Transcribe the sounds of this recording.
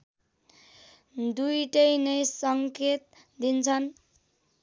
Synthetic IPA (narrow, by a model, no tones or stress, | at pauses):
d̪ujʈʌjnʌjsʌŋket̪̚ | d̪int͡sʰʌn